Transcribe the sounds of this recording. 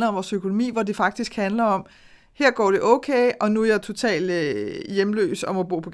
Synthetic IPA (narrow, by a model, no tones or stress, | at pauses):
lɐɒ̽mʋɒːsøkʰo̝no̝mḭːʋɒd̥ifɑ̈ɡ̥̚d̥isɡ̥hænlɐɒ̽m | heɐ̰ɡ̥ɒ̰ːɾ̥e̝ʔɔ̽ʊkʰeːʔɒ̽nuæjat͡sʰo̝t͡sʰɛ̰ːl̥øjemlø̰ːsɒ̽mo̽b̥o̝̰ːpʰɒ̽ɡ̥